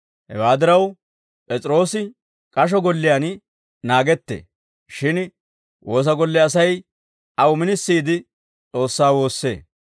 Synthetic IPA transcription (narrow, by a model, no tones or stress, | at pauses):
hɛ̰waːd̪ɪɾɐw | pʼɛt͡sʼɪɾo̞ːsɪ | kʼɐʃ̬ɔɡɔlːɪjaːn | naːɡɛt̪ːḛː | ʃɪn | wʔo̞ːs̬ɐɡɔlːɛɐsɐj | ʔɐwʊmɪnɪsːiːd̪ɪ | t͡sʼo̞ːsːaːwo̞ːsːe̞̰ː